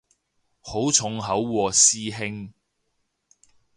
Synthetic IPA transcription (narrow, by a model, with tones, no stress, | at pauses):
ho˨˥wt͡sʰʊ˨˥ŋɦɐ˨˥wwɔː˧siː˥ɦɪ˥ŋ